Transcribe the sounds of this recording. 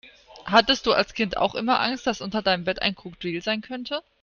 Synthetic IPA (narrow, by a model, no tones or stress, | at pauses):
hatəst̚d̥uːa̰lskʰɪntʰa̰ʊxʔɪmɐʔa̰ŋst̚d̥asʔʊntɐdaɪnəmbɛta̰ɪnkʁ̥uːk̚d̥v̥iːlzaɪnkʰœntʰə